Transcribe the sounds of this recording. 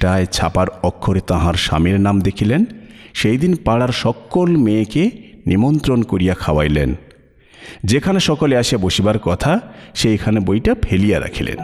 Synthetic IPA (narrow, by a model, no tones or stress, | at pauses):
ʈaet͡ɕʰapaɾɔkʰːoɾet̪aɦaɾʃa̰miɾnamd̪ekʰilenʃejd̪inpaɽaɾʃɔkːolmeːkenimont̪ɾonkoɾijakʰaoa̰jlḛn | d͡ʑekʰaneʃɔkoleaʃijaboʃibaɾkɔt̪ʰaʃekʰanebojʈapʰelijaɾa̰kʰilḛn